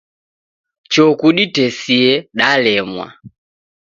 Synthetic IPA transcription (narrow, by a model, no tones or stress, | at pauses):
t͡ʃɔkuɗitɛsiɛɗalɛmwa̰